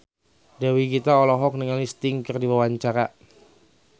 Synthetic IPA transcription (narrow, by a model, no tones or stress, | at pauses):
dawikit̪aɔlɔɦɔk̚nəŋalist̪ɪŋkɨrdiwawaɲt͡ʃaɾa